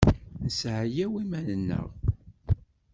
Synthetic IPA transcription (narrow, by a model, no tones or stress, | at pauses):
nəsʕjæwimænənːə̰ʁ